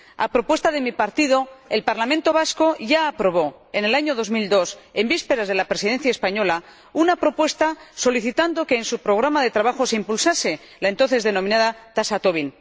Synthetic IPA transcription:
a̰pɾo̞pwe̞st̪aðe̞mipaɾt̪ið̞o̞elpaɾlamẽnt̪o̞β̞asko̞ʝaːpɾo̞β̞o̞ | ene̞laɲo̞ðo̞zmild̪o̞sembispe̞ɾazð̞e̞lapɾe̞siðe̞nθjaespaɲo̞la | unapɾo̞pwe̞st̪aso̞liθit̪and̪o̞ke̞ːnsupɾo̞ɣ̞ɾamaðe̞t̪ɾaβaxo̞seimpulsase̞ | laent̪o̞nθe̞zðe̞no̞mĩnaðat̪asat̪oβin

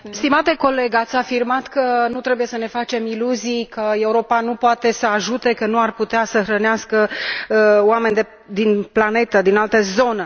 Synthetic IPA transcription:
st̪imat̪e̞ko̞le̞ɡat̪sʲafirmat̪kənut̪ɾe̞buje̞səne̞fat͡ʃe̞miluzijkʰəe̞uɾo̞panupoat̪e̞səaʒut̪e̞kənuarput̪easəxɾəneaskə | oame̞nʲd̪e̞ | d̪inplane̞t̪əd̪inalt̪əzo̞nə

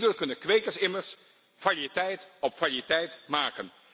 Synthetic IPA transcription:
dəlkɵnəkʋejkəɹsɪməɹs | falitɛjtɔpfalitɛjtmaːkən

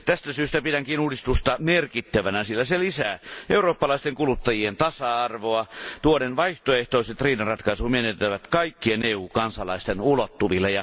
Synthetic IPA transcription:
t̪æst̪æsyːst̪æpidæŋkinuːdist̪ust̪ɑmerkit̪ːæʋænæsilːæselisæːeuroːpːɑlɑist̪eŋkulut̪ːɑjient̪ɑsɑɑrʋoɑt̪uonenʋɑiht̪oeht̪oiset̪riːnɑnrɑt̪kɑisumenet̪ːæʋæt̪kɑikːieneːuːkɑnsɑlɑist̪enulot̪ːuʋilːejɑ

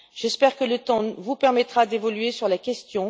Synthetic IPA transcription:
ʒ̥ɛspɛʁkələt̪ɑ̃vupɛʁmɛt̪χad̪evɔlɥesyʁlakʲɛst̪jɔ̃

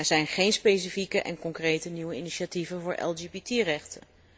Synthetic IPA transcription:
ɛɹzɛjnχejnspejs̬ifikəʔɛ̰nkɔŋkrejtəniwəiniʃativənvʊːɹʔɛ̰lˠd͡ʒebitirɛχtən

